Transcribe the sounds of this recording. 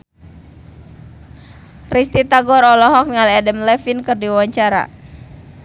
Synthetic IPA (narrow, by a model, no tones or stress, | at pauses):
rist̪it̪aɡɔɾɔlɔɦɔk̚nŋaliadɛmlɛfinkɨrdiwawaɲt͡ʃaɾa̰